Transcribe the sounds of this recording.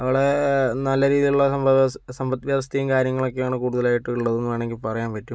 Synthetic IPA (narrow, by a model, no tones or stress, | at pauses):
ɐʋiɽenɐlːɐɾiːðiluɭːɐsɐbsɐmbɐt̪ːʋjaːst̪ijumkaːɾjɐŋːɐɭo̞kːejaːɳɨkuːɽuðɐlaːjiʈːɨiɭːɐðunːuʋaːɳe̞ŋɡilpɐrɐjaːnpɐtːum